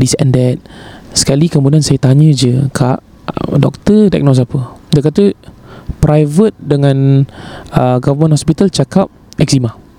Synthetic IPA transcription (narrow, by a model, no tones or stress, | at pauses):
disɛ̰̃ndɛt̪̚sə̥kalikəmudiansajət̪aɲə̃d͡ʒəkʰaʔ | dɔk̚t̪əda̰k̚nos̬apədak̬at̪ə | pɾʔajvət̪̚dəŋãn | əɡavəmə̃nhɔspit̪alt͡ʃakap̚ | ɛk̚sima